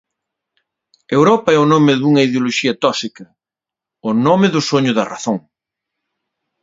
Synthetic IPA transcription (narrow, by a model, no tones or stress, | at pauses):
ewɾɔpɐɛʊnomɪðuŋɐiðjoloʃiɐt̪ɔsikɐ | ʊnomɪðʊsoɲʊðɐraθoŋ